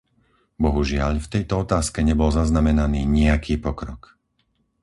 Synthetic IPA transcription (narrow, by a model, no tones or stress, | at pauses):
bɔɦuʒɪaʎft̪ɛjt̪ɔɔt̪aːskɛɲɛbɔlzaznamɛnaniːɲɪakʰiːpɔkɾɔk